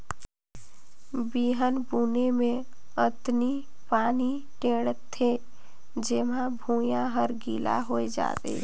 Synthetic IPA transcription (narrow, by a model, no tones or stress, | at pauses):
biːɦənbuːnemẽ | ət̪ni | paːni | ʈẽːɽət̪ʰːe | d͡ʒeːmãbʱũːjãɦəɾɡiːla̰ɦoed͡ʒa̰ːt̪ḛ